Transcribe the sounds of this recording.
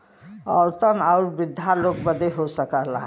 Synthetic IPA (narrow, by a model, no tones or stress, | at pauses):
əɾt̪ənaʊɾbid̪ʱjalok̚bəd̪ʱeɦosəkəɦlaɦ